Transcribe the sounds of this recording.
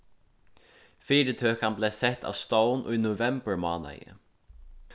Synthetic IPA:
fiːɾɪt̪ʰøːkanbleːsɛht̪ʰa̰vst̪ownʔʊ̰jnʊvɛmbəɹma̰ːna̰jɪ̰

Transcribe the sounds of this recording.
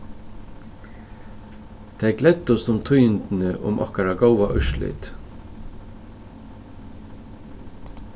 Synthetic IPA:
t̪ʰɛɪɡlɛt̪ːʊst̪ʊmt̪ʰʊjnt̪n̩əʔʊ̰mʔɔ̰hkaɾaɡowaʔʏʃlʏ̰t̪

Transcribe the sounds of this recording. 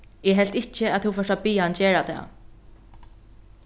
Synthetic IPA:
ɛɦɛl̥t̪ɪht͡ʃɪaðθɛwfœsapiːant͡ɕeːɾat̪ʰɛ̰ː

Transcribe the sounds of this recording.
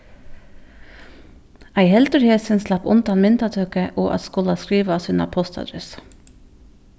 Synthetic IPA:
æɪhɛlt̪əɾheːsənslɑpʊ̰nt̪ɑnmɪnt̪ɑt̪ʰøːkəʔoːʔɑ̰t̪skʊlɑskɾiːʋɑsʉːnɑ̰pʰɔst̪ɑ̰d̪ɾɛs

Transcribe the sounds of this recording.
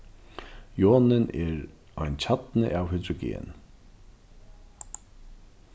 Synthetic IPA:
joːnɪnɛɾ | ajnt͡ɕʰat̪nəʔaːwhʏd̪ɾʊɡḛːn

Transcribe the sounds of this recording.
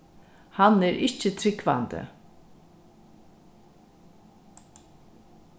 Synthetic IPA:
hanɛɾʔɪt͡ʃət̪ʰɾɪkva̰nd̪ə̰

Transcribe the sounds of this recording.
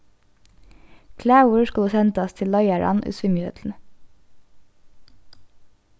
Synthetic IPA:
kʰlæːwəskɑləsɛnt̪əɑst̪ʰɪllɑɪæɹʔɑ̰nʔʉ̰ːsʋɪmʏːhḛːt̪ʰn̩

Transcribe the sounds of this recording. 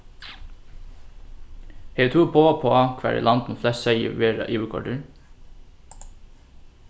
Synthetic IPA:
heːt̪ʰuːpʰoːpʰoːɑkʰʋæ̰ːɹɪ̰ːlʔɑnd̪nʊflɛssœɪə̰ʋeːɾɑ̰ʔiːʋəkʰɔ̰ɖəɹ

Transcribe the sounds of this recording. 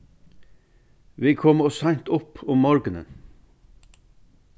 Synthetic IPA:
ʋiːkʰɔmɔsɑɲt̪ʊpʊmːɔɹɡənə̰n

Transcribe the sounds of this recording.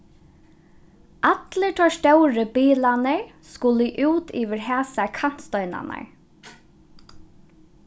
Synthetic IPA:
ʔat̪lət̪ʰɔst̪œwɾəbiːlanəɹskʊliʔuːt̪ʰiːʋɪɹɦæːsakʰan̥t̪st̪œɥna̰na̰ɹ

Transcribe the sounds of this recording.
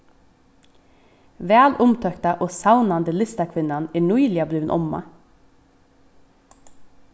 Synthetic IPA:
ʋæːlʊmt̪ʰœkt̪ɑʔoːsɑʊnɑnd̪əlɪst̪ɑkʰʋɪnɑnæːɳʊɪlɪɑblyːʋnʔɔ̰mɑ̰

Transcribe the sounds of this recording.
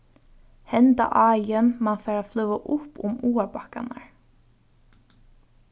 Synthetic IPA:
hɛnt̪a̰ʔaːjənmaːnfɛːɹaflœʋaʔʊpʊ̰muːabaka̰na̰ɹ

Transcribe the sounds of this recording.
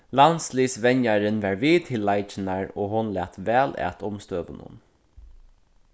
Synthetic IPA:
lansliːsʋɛɲjaɾɪnʋæɹʋiːt̪ʰɪlːajt͡ʃɪnaɹoːɦʊnlæːt̪ʋæːlæ̰ːt̪ʰʊmst̪øːʋʊ̰nʊ̰n

